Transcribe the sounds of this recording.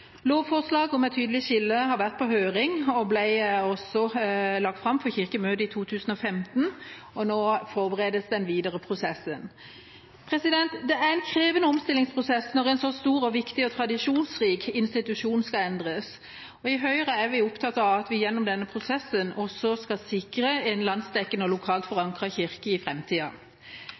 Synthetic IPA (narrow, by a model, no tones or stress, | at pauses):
loːʋfɔʁslɑːɡɔmɛɪt̪ʰyːd̪əlɪçɪlːəɦɑʁʋæʁt̪̚pʰɔɦøːʁɪŋɔblæɪɔsɔlɑɡ̚t̪fʁɑmfɔçɪʁkəmøːd̪əɪt̪ʰuːt̪ʰʉːsn̩ɔfɛmt̪n̩ | ɔnoːfɔʁbəʁeːd̪əsd̪ɛnʋiːd̪əʁəpʰʁʊsɛsːən | pʰʁɛsɪd̪ɛnt̪d̪ɛæʁɛɪnkʰɾeːʋənəɔmst̪ɪlɪŋspʰʁʊsɛsnɔʁɛnsɔst̪uːʁɔʋɪkt̪ɪɔt̪ʰʁɑd̪ɪʂuːnsʁiːkɪnst̪ɪt̪ʉʂuːnskɑɛnd̪ʁəs | ɔɪɦœʏʁəæɾʋɪʊpt̪ʰɑt̪ːɑʋɑt̪ʋɪjɛnːɔmd̪ɛnːəpʰʁʊsɛsːənɔsɔskɑsɪkʁəɛnlɑnsd̪ɛkːənɔlʊkʰɑːlt̪fɔʁɑŋkʁɑçɪʁkəɪfʁɛmt̪ʰiːɑ